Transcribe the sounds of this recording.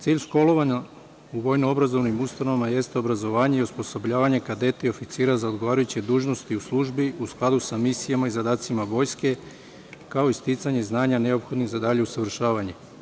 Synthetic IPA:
t̪siːʎʃko̞lˠo̞ʋaɲa | uʋo̞jnoobɾazo̞ʋnimust̪ano̞ʋamaje̞st̪eo̞bɾazo̞ʋaːɲe̞iuspo̞so̞bʎaːʋaɲe̞kad̪e̞t̪eo̞fit̪siːɾazao̞d̪ɡoʋaːɾajut͡ɕe̞d̪uːʒno̞st̪iuslˠuʒbiusklˠad̪usamisijamaizad̪aːt̪simaʋo̞ːjske̞ | kao̞ist̪it̪saɲeiznaːɲane̞o̞pxo̞d̪niɣzad̪aʎe̞usaʋr̩ʃaːʋaɲe̞

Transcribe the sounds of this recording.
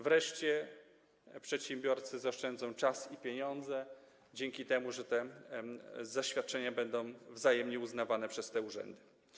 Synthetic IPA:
vɾɛʂt͡ɕɛ | pʂɛt̪ɕɛmbʲjɔɾt̪sɘzaʂt͡ʂɛnd̪zɔ̃w̃t͡ʂasipʲjeɲɔnd̪zɛ | d͡ʑɛŋkʲit̪ɛmuʐɛt̪ɛ | zaɕfʲjat̪̚t͡ʂɛɲabɛnd̪ɔ̃w̃vzajɛmɲɛuznavanɛpʂɛst̪ɛuʐɛ̰nd̪ɘ

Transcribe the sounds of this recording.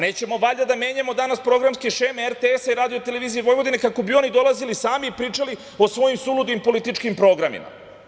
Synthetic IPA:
ne̞ːt͡ɕe̞mo̞ʋaʎad̪ame̞ːɲamo̞d̪anaspɾo̞ɡɾamskiʃemeeɾt̪eesaiɾaːd̪io̞t̪e̞leʋiːzijiʋo̞jʋod̪inekako̞bio̞nid̪o̞lazilisaːmiːpɾiːt͡ʂali | o̞sʋo̞jimsulud̪ʋimpo̞lit̪it͡ʃkimpɾo̞ɡɾamḭma̰

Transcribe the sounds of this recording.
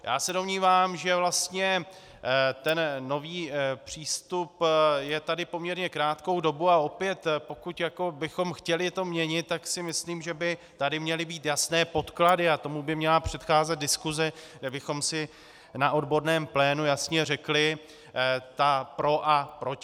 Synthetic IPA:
ja̰ːsɛdo̞mɲiːvaːmʒɛvlast̪ɲɛ | t̪ɛnːo̞viːpr̝̥iːst̪upjɛt̪adɪpo̞mɲɛɾɲɛkɾaːt̪ko̞wdo̞buao̞pjɛt̪po̞kucjako̞bɪxo̞mxcɛlɪt̪o̞mɲɛɲɪt̪ːaksɪmɪsliːmʒɛbɪ | t̪adɪmɲɛlɪbiːt̪jasnɛːpo̞t̪kladɪat̪o̞mubɪmɲɛlapr̝̥ɛt̪xaːzɛt̪̚dɪskuzɛɡdɛbɪxo̞msɪ | naʔo̞dbo̞ɾnɛːmplɛːnujasɲɛrɛklɪ | t̪apɾo̞ʔapɾoc

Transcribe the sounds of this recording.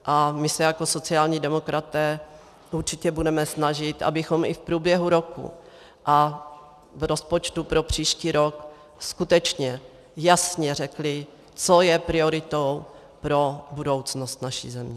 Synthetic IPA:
ʔamɪsɛjako̞so̞t͡sɪaːlɲidɛmo̞kɾʔat̪ɛː | ʔuɾt͡ʃɪcɛbudɛmɛsnaʒɪt̪ʔa̰bɪxo̞mʔɪfpɾuːbjɛɦuɾo̞kṵ | ʔa | vɾo̞spot͡ʃt̪upɾo̞pr̝̥iːʃciːɾo̞k | skut̪ɛt͡ʃɲɛ | jasɲɛrɛklɪ | t͡so̞jɛpɾɪo̞ɾɪt̪ow | pɾo̞budo̞wt͡snost̪naʃḭːzɛmɲɛ

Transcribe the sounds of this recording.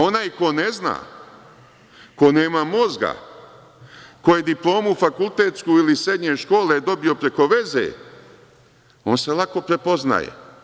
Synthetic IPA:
o̞naːjko̞nezna̰ː | ko̞ne̞ːmamo̞zɡa̰ | ko̞je̞d̪iplˠo̞ːmufakulˠt̪eːt̪skuilisɾe̞d̪ɲeʃko̞ːled̪o̞bio̞pɾe̞ko̞ʋe̞zḛ | o̞ːnse̞lˠako̞pɾe̞po̞zna̰jḛ

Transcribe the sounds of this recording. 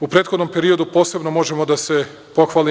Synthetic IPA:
upɾet̪xod̪no̞mpe̞ɾio̞d̪upoːse̞bno̞mo̞ʒe̞mo̞d̪ase̞ | po̞xʋali

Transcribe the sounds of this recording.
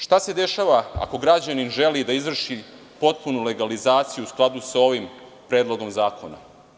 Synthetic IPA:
ʃt̪ase̞d̪e̞ʃaːʋaa̰ko̞ɡɾad͡ʑaninʒe̞lid̪aizʋr̩ʃi | po̞t̪̚punule̞ɡalizaːt̪sijuusklˠad̪usao̞ʋim | pɾe̞ːd̪lˠo̞ɡo̞mzaːko̞na̰

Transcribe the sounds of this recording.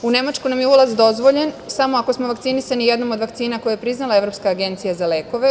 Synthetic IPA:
une̞mat͡ʃkunamjeulˠazd̪o̞zʋo̞ʎensamo̞ako̞smoʋakt̪sinisanijed̪no̞mo̞d̪ʋaktsiːnako̞jajepɾiznalae̞ʋɾo̞pskaːɡe̞nt̪sijazale̞ːko̞ʋe

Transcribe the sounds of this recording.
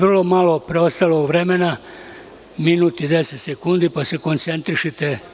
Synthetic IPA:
r̩lo̞malo̞pɾeost̪aloɡʋɾemena | minut̪id̪eset̪sekund̪ipaseko̞nt̪se̞nt̪ɾiʃet̪e

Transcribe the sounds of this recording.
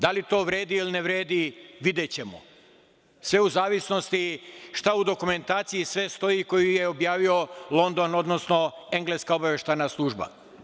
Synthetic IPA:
d̪alit̪o̞ːʋɾe̞ːd̪iiline̞ʋɾeːd̪iʋid̪et͡ɕe̞mo̰ | sʋe̞uzaːʋisno̞st̪iʃt̪aud̪o̞kume̞nt̪aːt̪sijisʋe̞st̪o̞jiko̞jijeobjaːʋio̞lˠo̞nd̪o̞no̞d̪no̞sno̞ | e̞ŋɡle̞skaobaʋe̞ʃt̪ajnaslˠuːʒba̰

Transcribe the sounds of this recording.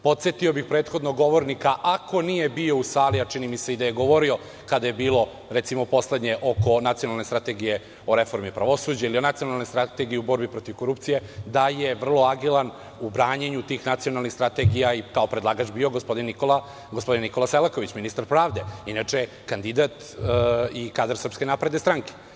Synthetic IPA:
po̞t̪sjet̪io̞bixpɾeːt̪xo̞d̪noɡo̞ʋo̞ɾnikaʔako̞nije̞bio̞usaːliat͡ʃinimiseid̪aje̞ɡo̞ʋo̞ɾio̞ | kad̪ajebiːlo̞ | ɾet̪simo̞po̞sle̞d̪ɲe̞ʔo̞ko̞nat̪sijonalˠnest̪ɾat̪e̞ɡije̞ | o̞ɾe̞fo̞ɾmipɾaʋo̞suːd͡ʑailio̞nat̪sio̞nalnest̪ɾat̪eɡijiubo̞ɾbipɾo̞t̪iʋko̞ɾupt̪sije̞d̪ajeʋr̩lˠo̞aɡilˠan | ubɾaːɲeɲut̪iːxnat̪sijo̞nalˠnixst̪ɾat̪e̞ɡijaikao̞pɾed̪lˠaːɡat͡ʃbioɡospo̞d̪inːikola | ɡospo̞d̪inːiko̞laselako̞ʋit͡ɕminist̪aɾpɾaːʋd̪e̞inat͡ʂe | kand̪id̪at̪ | ikaːd̪ɾsrpskenapɾe̞d̪est̪ɾaŋke̥

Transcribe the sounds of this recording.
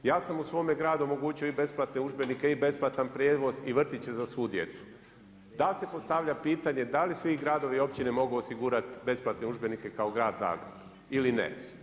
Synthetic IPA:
jaːsamusʋo̞ːme̞ɡɾaːd̪uomo̞ɡuːt͡ɕio̞ibe̞splˠat̪ne̞uʒbenike̞ibe̞splˠat̪anpɾjeːʋo̞ziʋr̩t̪it͡ɕe̞zasʋuːd̪je̞̰t̪su̥ | d̪alse̞po̞st̪aʋʎapiːt̪aɲe̞d̪alisʋiɡɾaːd̪o̞ʋio̞p̚t͡ɕinemo̞ɡuosiɡuːɾat̪be̞splˠat̪neuʒbe̞nike̞kao̞ɡɾaːd̪za̰ːɡɾḛb̥ | ilinḛ

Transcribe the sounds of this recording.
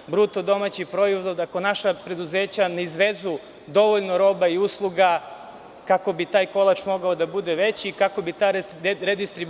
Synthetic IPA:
bɾut̪od̪o̞mat͡ɕipɾojizd̪od̪akonaʃapɾe̞d̪uzeːt͡ɕaneizʋezu | d̪o̞ʋoʎnoɾo̞ːbaiuslˠuɡa | kako̞bit̪aːjko̞lˠat͡ʃmo̞ɡaod̪abud̪eʋe̞t͡ɕikako̞bit̪aːɾed̪ist̪ɾi

